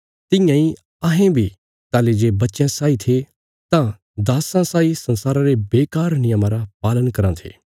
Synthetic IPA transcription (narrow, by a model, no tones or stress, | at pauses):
t̪ɪ̃jãːĩ | aɦẽbʱi | t̪aːled͡ʒeːbɐtːʃẽsaːit̪ʰe | t̪ã | d̪aːsãsaːisɐ̃nsaːɾãɾebeːkaːɾnɪjəmãɾapaːlənkɐɾãt̪ʰḛː